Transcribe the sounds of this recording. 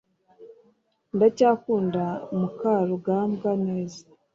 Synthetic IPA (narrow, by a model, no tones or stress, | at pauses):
ndacaːkuːndamukaɾuɡamɡane̞ːzḁ